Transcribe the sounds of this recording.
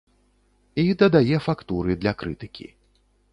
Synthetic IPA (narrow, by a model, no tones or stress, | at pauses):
id̪ɐd̪ajɛfakt̪uɾɨd̪lʲɐkɾɨt̪ɨkʲḭ